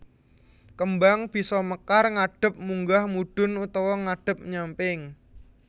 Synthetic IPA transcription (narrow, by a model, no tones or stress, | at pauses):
kəmbaŋb̥i̤sɔməkarŋaɖ̥ə̤p̚muŋɡahmuɖ̥ʊ̤nut̪ɔwɔŋaɖ̥ə̤p̚ɲampɪŋ